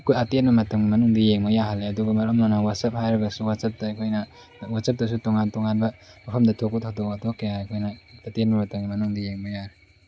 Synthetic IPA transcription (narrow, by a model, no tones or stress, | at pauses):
kʰojatenbɐmɐtɐŋimɐnuŋdijeŋmajaɦaleɐduɡomɐɾɔmnanawat̚sɐp̚hajɾɐɡɐsuwatsɐp̚tɐkʰojnɐ | watsɐp̚dɐs̬utoŋantoŋanbɐmɐpʰɐmdɐtʰokːotʰad̪ɔkatʰokːejaakʰojnɐatenbɐmɐtaŋimɐnuŋd̪ijeŋmɐjaɾe